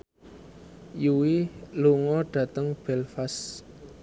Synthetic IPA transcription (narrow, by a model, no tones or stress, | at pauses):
juwiluŋɔɖ̥ä̤t̪əŋb̥ɛlfas